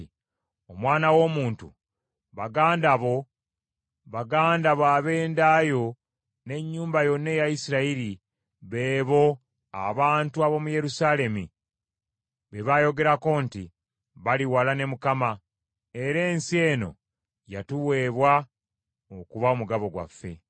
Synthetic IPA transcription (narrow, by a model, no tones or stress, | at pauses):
omwaːnawo̞muːntu | βaɡaːndaβo̞ | βaɡaːndaβwaːβe̞ːndaːjo̞ | ne̞ɲːuːmbajo̞nːe̞jajisiɾaiɾi | βe̞ːβo̞ | a̰βaːntuaβo̞muje̞ɾusale̞mi | βeβajo̞ɡe̞ɾako̞nti | βaliwalane̞mukama | e̞ɾe̞ːnsie̞ːno̞̰ | ja̰tuwe̞ːβwa | okuβaomuɡaβo̞ɡwa̰fːe̞̰